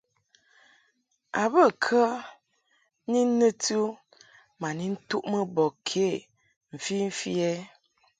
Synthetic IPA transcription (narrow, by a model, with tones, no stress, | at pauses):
a˨bə˦˨kʰə˦ | ni˦n˦nə˦tu˦ | ma˨ni˦n̩˦tu˦ʔmə˦bɔ˨kʰe˨˦˨ | m̩˨fi˦m̩˦fi˦ɛ˦